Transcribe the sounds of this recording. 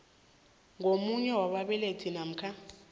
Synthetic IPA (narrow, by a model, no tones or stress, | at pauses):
ŋʱomuɲɛwaɓaɓɛletʰinam̩kʰa